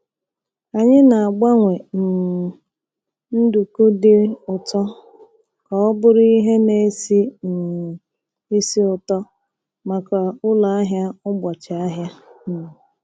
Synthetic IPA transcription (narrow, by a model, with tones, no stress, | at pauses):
a˨ɲɪ˦na˨a˨ɡ͡ba˦ŋʷe˨n̩˨ | n̩˦du˨ku˦dɪ˦ʊ˨tɔ˦ | kɔ˨ɔ˦bʊ˦ɾi˦ɦe˦ne˨˦si˦n̩˨ | i˦si˦ʊ˨tɔ˦ | ma˨ka˨ʊ˦la˨a˦ɦja˦ʊ˦ɡ͡bɔ˨t͡ʃa˨a˦ɦja˦˨